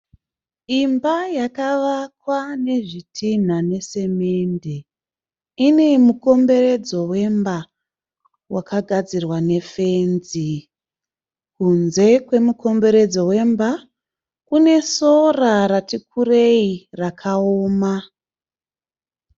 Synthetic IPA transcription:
imbajakaʋakwane̞ʐitʰin̤ane̞se̞me̞nde̞ | ine̞muko̞mbe̞ɾe̞d͡zo̞we̞mba | wakaɡʱad͡zirwane̞fe̞nzi | kunze̞kwe̞muko̞mbe̞ɾe̞d͡zo̞we̞mba | kune̞so̞raratikʰure̞irakʰaoːma

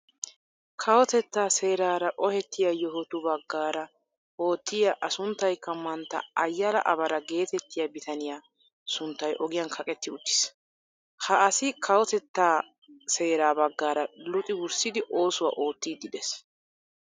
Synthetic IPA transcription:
kʰɐwɔt̪ɛt̪ːaːse̞ːɾaːɾɐʔɔhɛt̪ːɪjajɔɦɔt̪ʊbɐɡːaːɾɐ | o̞ːt̪ːɪjɐʔɐsʊnt̪ːɐjkːɐmːɐnt̪ːɐ̰ɐjːɐlɐ̰ʔɐbɐɾɐɡe̞ːt̪ɛt̪ːɪjabɪt̪ɐnɪjaː | sʊnt̪ːɐjʔɔɡɪjɐnkʰɐkʼɛt̪ːɪʊt͡ʃ̪ːɪ̥s | hɐʔɐsɪkʰɐwɔt̪ɛt̪ːaː | se̞ːɾaːbɐɡːaːɾɐlʊt̪ʼɪwʊɾsɪd̪ɪʔo̞ːsʊwa̰ːʔo̞ːt̪ːiːd̪ɪd̪ɛs

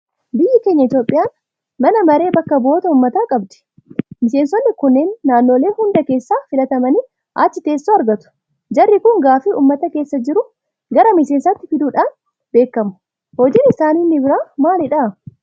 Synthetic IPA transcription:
bɪjːɐkeːɲːɐɪt̪jo̞ːpʼːɪjaːn | mɐnɐmɐɾe̞ːbɐkːɐbo̞ːt̪ɐʊmːɐt̪aːkʼɐbd̪ɛ̥ | mɪseːnsɔnːɪkʊnːe̞ːnːaːnːoːle̞ːhʊnd̪ɐke̞ːsːaːfɪlɐt̪ɐmɐniː | ʔa̰ːt͡ʃːɪt̪e̞ːsːoːɐɾɡɐt̪ʊ̥ | d͡ʒɐrːɪkʊŋɡaːfiʔṵːmːɐt̪ɐkeːsːɐd͡ʒɪɾʊ | ɡɐɾɐmɪse̞ːnsat̪ːɪfɪd̪uːᶑaːn | be̞ːkːɐmʊ̥ | hɔd͡ʒiːnɪsaːninːɪbɪɾaːmaːlɪᶑa

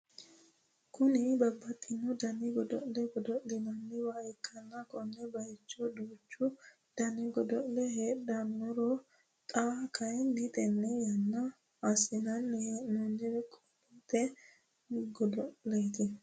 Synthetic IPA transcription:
kʊnɪbɐbːɐt̪ʼːɪnːɔd̪ɐnɪɡɔd̪ɔ̰ʔlɛɡɔd̪ɔʔlɪnɐnːɪwaːɛkʰʼːɐnːɐkɔnːɛbɐjɪt͡ʃːɔd̪uːt͡ʃːʊ | d̪̥ɐnɪɡɔd̪ɔʔlɛɦeːɗɐnːɔɾɔ | t̪ʼakʰɐjɛndɪt̪ʼɛnːɛjɐnːɐː | sɪnɐnːɛhenɔnːɛwɛkʼɔ | it̪ʼɛ | ɡɔd̪ɔʔlejt̪ɪ

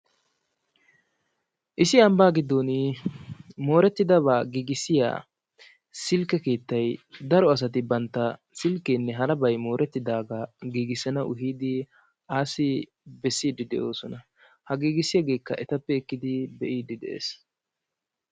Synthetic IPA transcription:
ʔɪsɪɐmbaːɡɪd̪onɪ | mo̞ːɾɛt̪ːɪd̪ɐβaːɡiːɡɪsɪja̰ː | sɪlkːɛke̞ːt̪ːɐjd̪ɐɾɔɐs̬ɐt̪̬ɪbɐnt̪ːɐ | sɪlkeːnːɛɦɐɾɐbɐjmo̞ːɾʔɛt̪ːɪd̪aːɡaɡiːɡɪsɛnɐʔʊ̰ɦiːd̪ɪ | aːsɪ | bɛsːiːd̪ɪd̪ɛʔo̞ːsɔnɐ | hɐɡiːɡɪsɪjɐɡe̞ːkːɐʔɛt̪ɐpːɛɪkːɪd̪ɪbɛʔiːd̪ɪd̪ɛ̰ʔḛːs

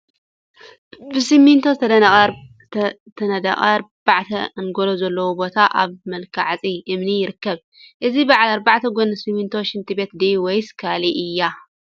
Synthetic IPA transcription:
bɨsimint̪ʰozt̪ʰɐ | t̪ʰɐnɐd̪a̰χʼɐ̰ɾbaʕt̪ʰɐnɡolozɐlːɐwobo̞t̪ʰaʔa̰βmɐlkʰaʕat͡sʼiʔɨmnijɪɾɨkːɐβ | ʔɨzibaʕalaɾbaʕt̪ʰɐɡonɐsimint̪ʰo̞ʃɪnt̪ʰibe̞t̪d̪iwojskʰaliʔɨjːa

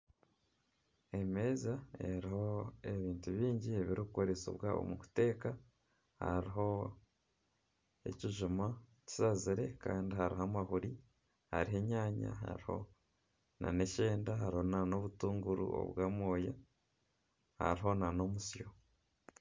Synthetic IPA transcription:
e̞me̞ːzaeɾihoeβiːntuβiːɲɟie̞βiɾiβukoɾeso̰βwao̰muku̥te̞ːka | ha̰ɾiɦo̞ | e̞̰ciʒuma | ci̥saziɾe̞ka̰ːndiɦaɾiɦamahuɾi | ha̰ɾiɦe̞ɲaːɲa̰ɦa̰ɾiho̞̰ | na̰ne̞ʃe̞ːndaɦaɾiho̞nano̞βutuːŋɡuɾṵo̰βwaːmwoːja | ha̰ɾiɦo̞nano̞musjo̞

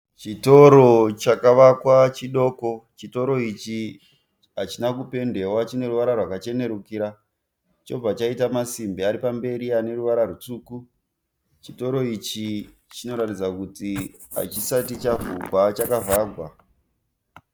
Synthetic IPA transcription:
t͡ʃito̞ɾo̞t͡ʃakaʋakwat͡ʃiɗo̞ːko̞t͡ʃito̞ɾo̞it͡ʃi | at͡ʃinakupe̞nde̞wat͡ʃine̞ɾuʋaɾarwakat͡ʃe̞ne̞ɾukiɾa | t͡ʃo̞b͡vat͡ʃaitamasimbiaɾipambe̞ɾiane̞ruʋaɾarut͡suːku | t͡ʃito̞ɾo̞it͡ʃi | t͡ʃino̞ɾatid͡zakuti | a̰t͡ʃisatit͡ʃavuɡwat͡ʃakavaːɡʱwa

